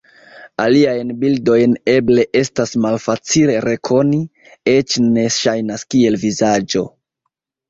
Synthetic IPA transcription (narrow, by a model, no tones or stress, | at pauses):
aliajnbildo̞jne̞ble̞ʔe̞stasmalfat͡sile̞ɾe̞kʰo̞ni | et͡ʃne̞ʃajnaskie̞lvizad͡ʒo̞